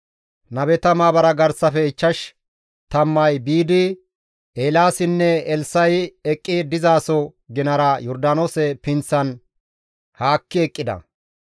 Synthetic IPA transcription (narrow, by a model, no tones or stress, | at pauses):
nɐbɛt̪ɐmaːbɐɾɐɡɐɾsɐfɛɪt͡ʃːɐʃ | t̪ɐmːɐjbiːd̪ɪ | ʔeːlaːsɪnːɛɛlsɐjɛkʼːɪd̪ɪzaːsɔɡɪnɐɾɐjɔɾd̪anoːsɛpɪnt͡sːɐn | haːkːɪɛkʼːɪd̪ɐ̰